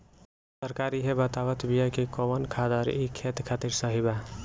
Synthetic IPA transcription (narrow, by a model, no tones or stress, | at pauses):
səɾkaɾiɦebət̪aʋət̪bijakikobənkʰad̪əɾikʰet̪kʰat̪iɾsəɦiba